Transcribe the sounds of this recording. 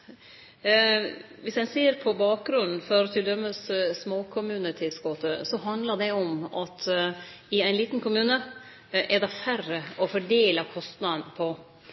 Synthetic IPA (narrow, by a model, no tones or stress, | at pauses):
ʋɪsæɪseːəɾpʰɔbɑːk̚ɡɾʉnn̩fɔɾɔt̪ʰɪld̪œmːəssmoːkʰʊmʉːnət̪ʰɪlskoːt̪əsɔɦɑnd̪ləd̪ɛɔmɑt̪ | ɪæɪnliːt̪nkʰʊmʉːnə | ʔɛd̪ɛfærəʔɔfɔɖeːlɑkʰɔst̪nɑd̪ənpʰɔ